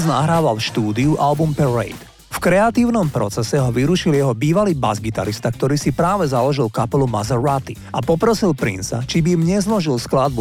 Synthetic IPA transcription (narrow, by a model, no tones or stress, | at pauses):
znaɦɾaːʋalfʃt̪uːd̪iuʔalbumpɛɾɛ̰jt̪ | fkɾɛat̪iːʊnɔmpɾɔ̰t͡sɛsɛɦɔʋiɾuʃiljɛɦɔbiːʋaliːba̰zɡit̪a̰ɾist̪akt̪ɔɾiːsipɾaːʋɛzalɔʒilkapɛluma̰zɛɾat̪i | apɔpɾɔsilpɾḭnsa̰t͡ʃibiimɲɛzlɔʒilsklad̪̚bu